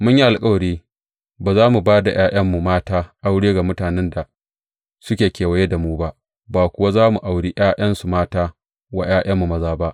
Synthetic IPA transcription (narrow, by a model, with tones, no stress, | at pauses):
mʊ˦ɲji˦ʔa˨lkʼa˦wɽeː˦ | baː˨zaː˦mu˨baː˦da˨j̰ʔaː˦j̰ɐ˦mːu˨maː˦taː˦ʔa˦wɽeː˦ɡa˨mʊ˦taː˨nɛ˦nda˨ | sʊ˦kʲeː˨kʲeː˨wɐ˨˦je˦da˨muː˦ba˦ | baː˨kʷʊ˦wa˦zaː˦mu˨ʔa˨wɽiː˦j̰aː˦ʔɐ˦nsu˨maː˦taː˦ | wa˦j̰aː˦j̰ɐ˦mːu˨mɐ˦zaː˦ba˦ʔ